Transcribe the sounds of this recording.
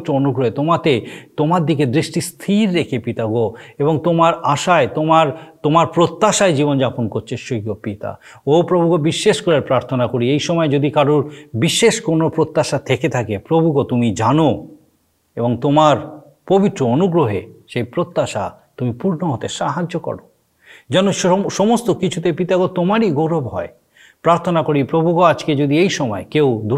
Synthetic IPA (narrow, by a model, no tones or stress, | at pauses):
t̪ːɾoonuɡɾoɦet̪omat̪et̪omaɾd̪iked̪ɾiʃʈist̪ʰiɾːekʰepit̪aɡoeboŋt̪omaɾaʃaet̪omaɾt̪omaɾpɾot̪ːaʃaed͡ʑibond͡ʑaponkoɾt͡ɕʰeʃoɡopit̪a̰ | opɾobʱuɡobiʃːeʃkoɾeɾpɾaɾt̪ʰonakoɾiejʃɔmɔed͡ʑod̪ikaɾuɾbiʃːeʃkoɾnopɾot̪ːaʃat̪ʰeket̪ʰakepɾobʱukot̪umid͡ʑano | eboŋt̪omaɾ | pobit̪ːɾoonuɡɾoɦḛʃejpɾot̪ːaʃa̰ | t̪umipuɾnoɦot̪eʃaɦad͡ʑokɔ̰ɽo | d͡ʑɛnoʃɔmost̪okit͡ɕʰut̪epit̪aɡot̪omaɾiɡoɾobɦɔ̰e | pɾaɾt̪ʰonakoɾipɾobʱukoad͡ʑked͡ʑod̪iejʃɔmɔekewd̪ʱu